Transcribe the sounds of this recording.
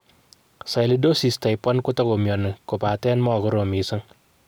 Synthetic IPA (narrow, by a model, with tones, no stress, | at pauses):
sa˨jli˨do˦si˨sta˨jpːa˦nkʊ˦tɔ˦ko˨mjɔ˨nɪ˨ku˨paː˨tɛ˦nmɔ˦˨kʊ˦ɾo˨mi˨sa˦ŋ